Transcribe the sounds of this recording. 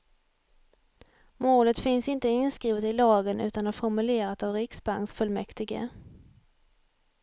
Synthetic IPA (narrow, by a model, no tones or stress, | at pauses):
moːlət̪fɪnsɪnt̪əɪnskɾiːvət̪ɪlɑːɡənʔʉ̟ːt̪anaɾfɔɾmɵleːɾat̪avɾɪksba̰ŋsfɵlmɛkt̪ɪɡə̰